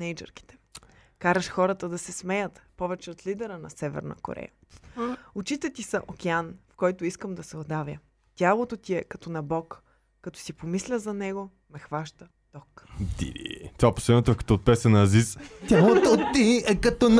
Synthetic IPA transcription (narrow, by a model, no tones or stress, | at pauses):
nɛjd͡ʒɛ̰ɾki̥t̪ɛ̥kaɾəʃxɔɾɐt̪əd̪ɐsɛsmɛjət̪pɔvɛt͡ʃɛot̪lid̪ɛɾənɐsɛvɛ̰ɾnə̰ko̰ɾɛ̰jə̰ | ʊt͡ʃit̪ɛt̪isɐʔokɛanfkɔjt̪oiskəmd̪ɐsɛod̪avjə | t̪ʲalˠot̪ot̪iɛkɐt̪ɔnɐbɔkː | ɐt̪o̥sipomislʲəzɐnɛɡo | mɛxvaʃt̪ə | d̪̥ɔkd̪ḭd̪ḭt̪oapo̥sɛnot̪afkɐ̥t̪ɔːt̪̚pɛsɐnɐːzist̪ʲalˠot̪ot̪ːiɛkɐt̪ɔn